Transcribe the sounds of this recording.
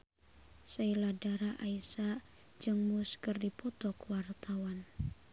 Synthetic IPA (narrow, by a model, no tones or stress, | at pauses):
sailadaɾaʔaisa | d͡ʒɨŋmuskɨrdipɔt̪ɔkwart̪awan